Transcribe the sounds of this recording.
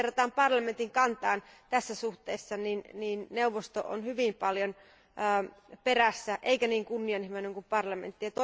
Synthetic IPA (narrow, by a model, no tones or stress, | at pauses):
rːɑt̪ɑːmpɑrlɑment̪iŋkɑnt̪ɑːnt̪æsːæsuht̪eːsːɑninniːnneuʋˑost̪o̰ʔo̰nhyʋimpɑljon | ʔːperæsːæʔeikæniːŋkunːiɑnhimeneŋkumpɑrlɑmḛnt̪ːijɑt̪o